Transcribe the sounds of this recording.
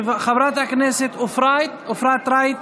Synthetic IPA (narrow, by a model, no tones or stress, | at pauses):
vχavɾat̪aknɛsɪt̪ʊfɾajt̪ʊfɾat̪ːɾajt̪